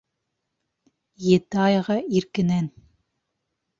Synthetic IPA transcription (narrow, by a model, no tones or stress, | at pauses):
jet̪ɑjʁɑiɾkɘ̆næn